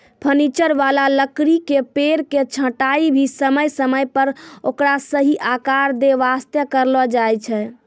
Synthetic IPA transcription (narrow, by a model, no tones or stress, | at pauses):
pʰənit͡ʃəɾʋalaləkɾikepeɾket͡ʃʰə̃ʈaibʱisəməjsəməjpəɾokɾasəɦiʔakaɾd̪eʋast̪jəkəɾlɔd͡ʒajt͡ʃʰɛ